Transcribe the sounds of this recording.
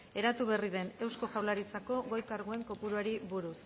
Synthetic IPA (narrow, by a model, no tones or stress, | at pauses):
e̞ɾat̪uβe̞riðe̞ne̞wsko̞ʝawlaɾit͡sako̞ɣo̞jkaɾɣoe̞ŋko̞puɾuaɾiβuɾus